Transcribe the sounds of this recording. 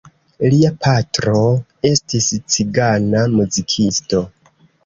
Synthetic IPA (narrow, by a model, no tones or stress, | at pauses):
liapʰatɾo̞ | e̞stist͡siɡanamuzikʰisto̞